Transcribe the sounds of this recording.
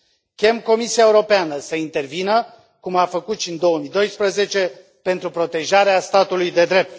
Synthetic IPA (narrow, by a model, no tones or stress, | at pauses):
kʲe̞mko̞misiaeuɾo̞peanəsəint̪e̞rvinə | kumafəkut̪ʃʲind̪o̞wəmid̪o̞jspɾəze̞t͡ʃe̞ | pe̞nt̪ɾupɾo̞t̪e̞ʒaɾeast̪at̪ulujd̪e̞d̪ɾe̞p̚t̪